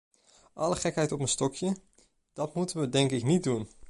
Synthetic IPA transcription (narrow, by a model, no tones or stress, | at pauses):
ʔɑləχɛkɦɛjtɔpənstɔkʰjə | d̥ɑtmutənʋədɛŋkɪknit̚dun